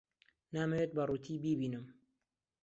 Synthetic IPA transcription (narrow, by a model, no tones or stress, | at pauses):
naːmɐwet̪̚bɐruːt̪ʰiːbiːbiːnɨm